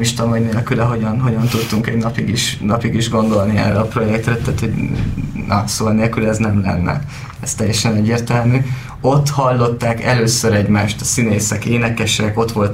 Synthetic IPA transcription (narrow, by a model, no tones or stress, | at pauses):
miʃt̪ɒmɒjneːlkylɛɦo̞ɟɒnɦo̞ɟɒnt̪ut̪t̪uŋkɛɟnɒpiɡiʃnɒpiɡiʒɡo̞nd̪o̞lniɛ̰rɛɒpro̞jɛk̚t̪rɛt̪ɛːt̪ho̞ɟnɒsoːɒneːlkylɛznɛmlɛ̰nːɛ̰ | ɛst̪ɛjːɛʃɛnɛɟːeːrt̪ɛlmy | o̞t̪ːhɒlːo̞t̪ːaːkɛløːsøɾɛɟmaːʃt̪ɒsineːsɛkeːnɛkɛʃɛko̞t̪ʋo̞lt̪